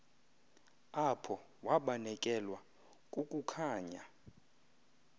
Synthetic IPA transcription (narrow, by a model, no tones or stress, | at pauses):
apʰɔ | waɓanɛkʼɛlwa | kʼukʼukʰaːɲa